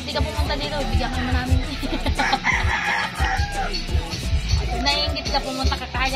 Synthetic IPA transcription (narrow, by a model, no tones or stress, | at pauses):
nd̪ikɐpʊmʊnt̪ad̪iːt̪oɪbɪɡjakɐnmanaːmɪn | nɐhiŋɡɪt̪̚lɐpʊmʊnt̪akɐkaːja